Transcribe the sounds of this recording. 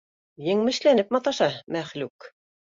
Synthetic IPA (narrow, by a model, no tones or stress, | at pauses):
jɘ̆ŋmɘ̆ʃlænɘp̚mɑt̪ɑʃɑmæχlʉk